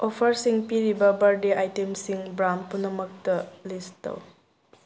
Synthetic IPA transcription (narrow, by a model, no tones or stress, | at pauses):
opʰɐɾsiŋpiɾibɐbɐɾdeajtemsiŋbɾanpunɐmɐk̚tɐlistɐ̰w